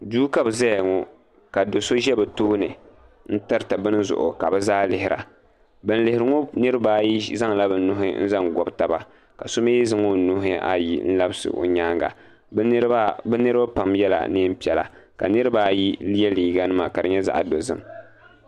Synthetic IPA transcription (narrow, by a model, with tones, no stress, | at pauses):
duː˦ka˦bza˦jŋo˦ | ka˨do˨so˦ʒɛ˦bɛ˨toː˦nɨ˨ | n̩˦tɨ˦ɾtɨ˨bɨ˦n˦zʊ̰˨ʔʊ̰˨ka˨bɛ˦zaː˦lɪ˨hɪ˨ɾa̰˨ | bɨ˨n˦lɪ˨hɪ˨ɾɨ˨˦ŋo˦nɨ˦ɾɨ˦baː˦ji˦za˦ŋla˦bɨ˨n˦nʊ˦ɦɪ˦n̩˦za˦ŋɡɔ˨bta˨ba̰˨ | ka˨so˦me˦zɨ˦ŋo˦˨nu˦ɦɪ˦ʔa̰˦jḭ˦n̩˦la˦bɨ˦sɨ̰˨ʔo̰˨ɲaː˦ŋɡa̰˨˦ | bɛ˦nɨ˦ɾɨ˦ba˦pa˨mjɛ˦la̰˨nɨ˦m̩˦pi˨ɛ˨la̰˨ka̰˨nɨ˦ɾɨ˦ba˦ji˦li˦ɛ˦liː˨ɡa˦nɨ˦ma˨ka˨dɨ˨ɲɛ˦za̰˦ʔa̰˨do˨zɨ̰˦m